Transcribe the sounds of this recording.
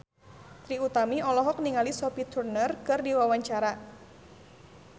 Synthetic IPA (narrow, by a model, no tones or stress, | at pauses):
t̪ɾiut̪amiɔlɔɦɔk̚niŋalisɔpit̪ʰurnərkɨrdiwawaɲt͡ʃaɾa